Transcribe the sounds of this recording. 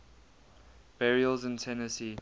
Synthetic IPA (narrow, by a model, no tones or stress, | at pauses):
b̥ɛɹiəlˠzɪ̃ntʰɛnəsi